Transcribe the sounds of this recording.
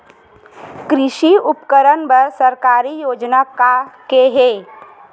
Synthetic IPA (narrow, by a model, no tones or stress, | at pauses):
kɾɪʃiʊpkəɾənbəɾsəɾkaːɾijoːd͡ʒnakakeɦeː